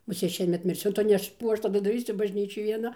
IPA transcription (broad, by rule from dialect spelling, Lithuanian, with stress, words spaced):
mʊˈsʲeːt ˈʃʲiɛmʲɛt mʲɪrʲˈsʲʊ ˈtʊ ˈnʲɛs ˈkuː ˈɐʃ tɐˈdʊ dɐˈrʲiːsʲʊ bɐʒʲˈnʲiːt͡ʃʲoːj ʋʲiɛˈnɐ